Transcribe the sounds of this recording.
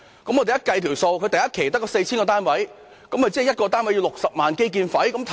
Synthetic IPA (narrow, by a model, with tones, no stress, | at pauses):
kɐ˨˥mɔ˨˧te˨jɐ˥kɐ˧jt̪ʰi˨˩wso˧wkʰɵ˧t̪ɐ˨jɐ˥t̚kʰe˨˩jt̪ɐ˥kːɔː˧se˧jt͡ɕʰi˥nkɔ˧t̪aː˥nwɐ˨˥j | kɐ˨˥mkɐ˨˩t͡siː˥˨˩jɐ˥t̚kɔː˧t̪̬aː˥nwɐ˨˥ji˧wlʊ˨k̚sɐ˨p̚maː˨nke˥jk̬iː˧nfɐ˨˥jkɐ˨˥mt̪ʰ